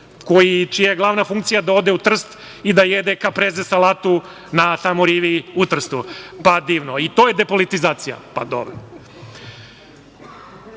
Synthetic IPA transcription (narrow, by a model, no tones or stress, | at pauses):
ko̞jit͡ʃijajeɡlˠaʋnafuŋk̚t̪sijad̪ao̞d̪eut̪r̩st̪ | id̪ajed̪ekapɾezesalaːt̪u | nat̪amoɾiːʋiut̪r̩st̪upad̪iːʋnoit̪o̞jed̪e̞po̞lit̪izaːt̪sija̰pa̰d̪o̰b